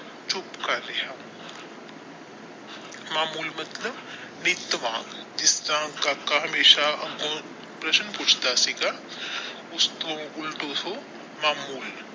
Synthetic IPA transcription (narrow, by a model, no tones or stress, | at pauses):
t͡ʃʊpkaleɦã | maːmuːlmɐt̪ləb | nɪt̪ʋãːd͡ʒɪsãːkakaɦɐmeːʃaɐkõ | pɾɐʃənpʊt͡ʃʰt̪asiɡa | ʊst̪õʊlʈoso | maːmuːl